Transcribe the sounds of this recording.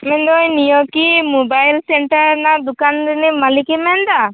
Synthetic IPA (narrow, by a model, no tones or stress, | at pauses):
mɛnd̪ɔjnijɔkimubajlseɳʈaɾnad̪ukanɾinimalikimɛnd̪a